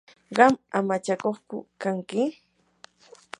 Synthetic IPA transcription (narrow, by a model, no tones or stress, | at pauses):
ɢɑmamat͡ʃakoχkʊ̰kaŋkɪ